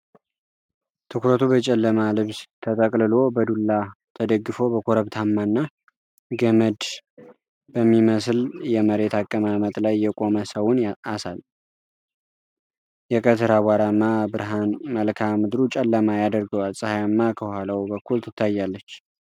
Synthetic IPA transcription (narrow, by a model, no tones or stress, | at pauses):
t̪ʰɨkɾət̪ʰubət͡ʃʼɛlːəmalɨβst̪ʰət̪ʼəkʼlɨlo̞bəd̪ulːat̪ʰəd̪əɡːɨfo̞bəkʰoɾəβt̪ʰamːanːa | ɡəməd̪ | b̥əmːiməsljɛməɾe̞t̪akʼːəmamət̪ʼlajːɛkʼo̞məsəwʊnasal | jɛkʼət̪ʰɨɾawaɾamːabɨɾɦanməlkʰamɨd̪ɾut͡ʃʼɛlːəmajad̪əɾɡəwalsʼɨhajamːakʰəhalawbəkːult̪ʰɨt̪ːajːalːət͡ʃː